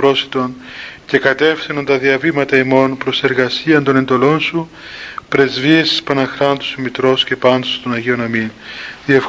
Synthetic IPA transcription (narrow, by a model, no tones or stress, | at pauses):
ɾo̞si̥t̪o̞nce̞kɐt̪e̞fθinunt̪ɐðiɐvimɐt̪ɐimo̞npɾo̞se̞ɾɣɐsiɐnd̪o̞ne̞nd̪o̞lo̞nsu | pɾe̞zviesi̥spɐnɐxɾɐnt̪u̥sumit̪ɾo̞sce̞pɐnd̪ost̪onɐʝeo̞nɐminðiɐf